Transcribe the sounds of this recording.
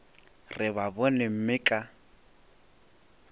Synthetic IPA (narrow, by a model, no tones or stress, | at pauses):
rɪbabɔnem̩mɪkʼa